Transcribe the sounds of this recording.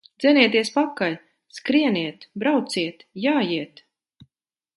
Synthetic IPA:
d̪ziniɛt̪̬iɛspakalʲ | skɾiɛniɛt̪bɾawt̪siɛt̪jaːjiɛt̪

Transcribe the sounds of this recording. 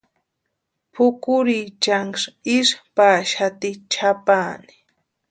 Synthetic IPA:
pʰʊkʊɾit͡ʃaŋʂɪʃpaːʃat̪ɪt͡ʃʰapaːni̥

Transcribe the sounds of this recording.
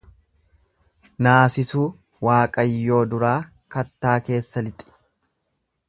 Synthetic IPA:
naːsɪsuː | waːkʼɐjːo̞ːd̪ʊɾaː | kɐt̪ːaːke̞ːsːɐlɪt̪ʼɪ̥

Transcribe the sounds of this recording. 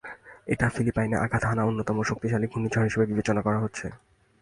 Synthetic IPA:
eʈafilipajneʔa̰kʰat̪ɦanaonːot̪ɔmoʃok̚t̪iʃaliɡʱumid͡ʑʱaɾɦiʃebebibet͡ɕonakɔɾaɦotːɕʰe

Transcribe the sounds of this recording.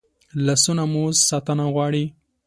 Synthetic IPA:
lasunamuzsɑt̪anaɣwɑɽi

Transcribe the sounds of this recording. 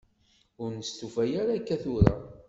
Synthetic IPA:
ʊɾnəst̪ufæjaɾakːæθʊɾa̰

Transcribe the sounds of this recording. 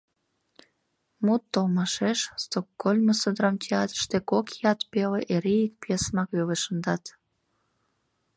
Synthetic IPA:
mut̪ːolmɑʃeʃst̪okːolʲməsəd̪ɾɑmtʲʰeɑt̪ɾə̥ʃt̪ekokjɑt̪peleʔeɾejik̚pʲesmɑkeleʃənd̪ɑt̪

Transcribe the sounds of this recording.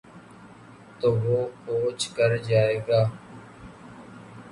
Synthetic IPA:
t̪oːʋoːkoːt͡ʃkəɾd͡ʒaːeːɡaː

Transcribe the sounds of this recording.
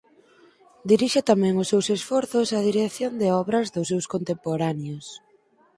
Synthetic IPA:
d̪iɾiʃɪt̪amɛ̃ŋʊsːewsesfɔɾθʊsɐðiɾekθjond̪eɔβɾɐzðʊsːewskont̪empoɾaneos

